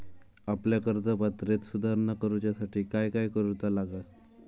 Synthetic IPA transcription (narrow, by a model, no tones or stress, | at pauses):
apljakəɾd͡zəpat̪ɾet̪sud̪ʱaɾnakəɾut͡ɕjasaʈʰiːkajkajkəɾut̪alaɡa